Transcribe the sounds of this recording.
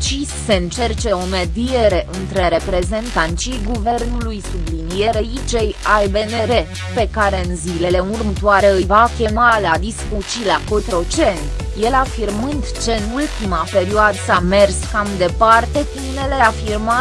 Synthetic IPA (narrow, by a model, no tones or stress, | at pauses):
t͡ʃisːe̞ɨnt͡ʃe̞rt͡ʃe̞o̞me̞d̪ije̞eɾe̞ʔɨnt̪ɾe̞ɾe̞pɾe̞ze̞nt̪ant̪t͡ʃijɡuve̞rnulujsublinije̞ɾeit͡ʃejajbe̞ne̞ɾe̞ | pe̞kaɾe̞ɨnzile̞le̞urmət̪oaɾeɨjvakʲe̞malad̪iskut͡ʃilakot̪ɾo̞t͡ʃe̞nt̪ | je̞lafirmɨnd̪t͡ʃeɨnult̪imape̞ɾioad̪same̞rskamd̪e̞part̪e̞tine̞le̞afirma